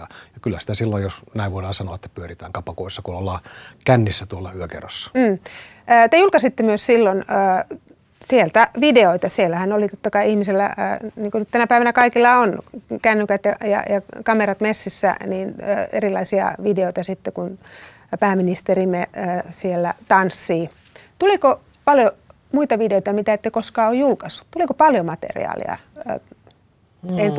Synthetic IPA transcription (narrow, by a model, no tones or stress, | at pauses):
ɑjɑkylːæsi̥t̪æsilːojjosnæˑiʋuodelɑsɑnoɑet̪ːæpyørit̪æːŋkɑpɑkoˑisːɑkunolːɑːkænːisːæt̪uolːɑyøkḛrosːɑ̥m̩ː | t̪ejulkɑsit̪ːemyøssilːonəː | sielt̪æʋideoit̪ɑsielːæhænolit̪ot̪ːɑkɑiihmiselːæ̰ːniːŋkonyt̪t̪ænæpæˑiʋænækɑikilːɑonkænːykæt̪jɑjɑ̰jɑkɑmerɑt̪mesːisːæ̰niːn̰ḛrilˑɑisiɑ̰ʋideoit̪ɑsit̪ːekun | pæːminist̪erimesielːæt̪ɑnsːiː | t̪uliko | pɑljo | muit̪ɑʋideoit̪ɑmit̪æet̪ːekoskɑːojjulkɑsːu̥tt̪ulikopɑljomɑt̪ḛrḭɑ̰ːlḭɑ̰ | en